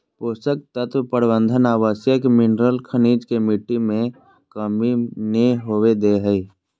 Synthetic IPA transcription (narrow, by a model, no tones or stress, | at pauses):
poːsək̚t̪ət̪wəpəɾbə̃nd̪ʱənaːʋaːsjəkmɪnɾəlkʰəniːd͡ʒkemiʈːimẽ | kəmineɦowed̪eɦəi